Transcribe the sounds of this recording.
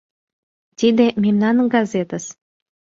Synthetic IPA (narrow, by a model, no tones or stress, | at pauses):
t̪id̪emʲemnɑnɡɑzʲet̪əs